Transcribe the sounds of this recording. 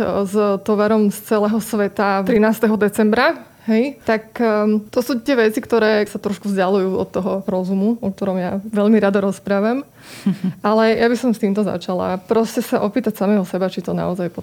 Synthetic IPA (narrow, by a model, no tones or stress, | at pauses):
zt̪ɔʋaɾɔmst͡sɛlɛːɦɔsʋɛt̪at̪ɾinaːst̪ɛɦɔd̪ɛt͡sɛmbɾa | ɦɛjt̪akt̪ɔsuːt̪ɪɛʋɛt͡sikt̪ɔɾɛːsat̪ɾɔʃkuvzɟalujuːɔ̰t̪ːɔɦɔɾɔzumuɔk̚t̪ɔɾɔmjaʋɛʎmiɾad̪ɔɾɔspɾaːʋam | ʔalɛjabisɔmst̪iːmt̪ɔza̰t͡ʃala̰pɾɔscɛsaʔɔpiːt̪acsamɛːɦɔsɛbat͡ʃit̪ɔna̰ɔzajpɔ